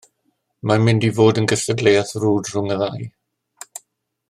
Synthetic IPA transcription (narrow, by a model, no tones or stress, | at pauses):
mamɪndivoːdənɡəɬədlejaθruːdrʊŋəðaj